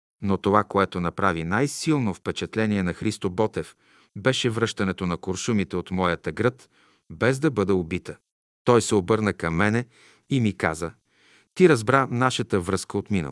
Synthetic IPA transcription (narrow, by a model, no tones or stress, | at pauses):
not̪ovakoɛt̪onɐpɾavinajsilˠnofpɛt͡ʃɛt̪lɛniɛnɐxɾist̪obɔt̪ɛf | bɛʃɛvɾɤʃt̪ɐnɛt̪onɐkoɾʃumit̪ɛot̪mɔjət̪əɡɾɤt̪ | bɛzd̪ɐbɤd̪ɛobit̪ə | t̪ɔjsɛobɤɾnəkɐmːɛnɛ | imika̰zə | t̪iɾɐzbɾanaʃət̪əvɾɤskəot̪minə̰